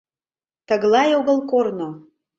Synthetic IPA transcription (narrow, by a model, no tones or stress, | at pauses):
t̪əɣlɑjoɣə̆lˠkorno